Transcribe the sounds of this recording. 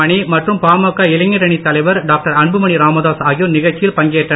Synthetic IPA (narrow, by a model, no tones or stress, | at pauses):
ɐɳimɐʈrɯmpaːmɐkːaːɪlɐŋːɪɾɐɳit̪ɐlɐɪʋɐɾɖaːk̚ʈɐɾɐɳbɯmɐɳiɾaːmɐðaːsaːɣonɪɣɐɻt͡ʃːɪjɪlpɐŋɡeːʈrɐ